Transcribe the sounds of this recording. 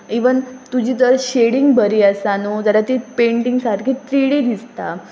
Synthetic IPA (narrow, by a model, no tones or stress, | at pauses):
eʋənt̪ud͡ʑiːt̪əɾɕeɽiŋɡbəɾiəsanud͡zaɾat̪iːpeɳʈiŋɡsaɾkʰiːt̪ɾiɽid̪ist̪a